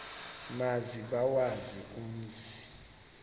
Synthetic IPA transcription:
maziɓawazik̬ʼum̩zi̥

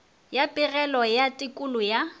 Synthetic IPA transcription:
japʼɪrɛlɔjatʼɪkʼʊlʊja

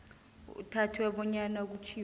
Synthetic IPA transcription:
ṵtʰatʰiwɛɓɔɲanak̬ut͡ʃʰi

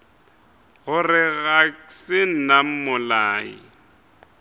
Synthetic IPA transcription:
ɣʊrɪɣaksɪn̩nam̩mʊlaːḭ

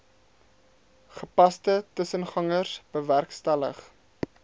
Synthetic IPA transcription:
χəpɐstətəsənχɐŋərsb̥əværkstælə̰χ

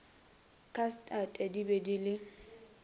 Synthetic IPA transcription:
kʰʼastʼatʼɛdibedilɪ

